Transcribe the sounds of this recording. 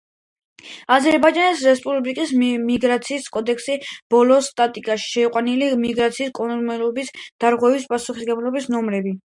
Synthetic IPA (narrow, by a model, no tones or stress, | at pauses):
azɛɾbajd͡ʒanɛsɾɛspʼubɾikʼismiɡɾat̪sʰiːskʼɔd̪ɛkʰsib̥ɔlɔst̪ʼat̪ʼikʼaʃi̥ʃɛiqʼwanilimiɡɾat̪sʰiːskʼɔnmɛlɔbisd̪̥aɾʁwɛvispʼasuχisɡɛblɔbisnɔmɾɛbi